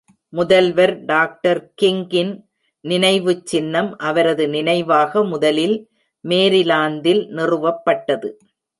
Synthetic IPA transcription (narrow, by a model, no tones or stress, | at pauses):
mʊðɐlʋɐɾɖaːk̚ʈɐɾkɪŋɡɪn | nɪnɐɪʋɯt͡ʃːɪnːɐmʔɐʋɐɾɐðɯnɪnɐɪʋaːɣɐmʊðɐlɪl | meːɾɪlaːnd̪ɪlnɪrɯʋɐpːɐʈːɐðɯ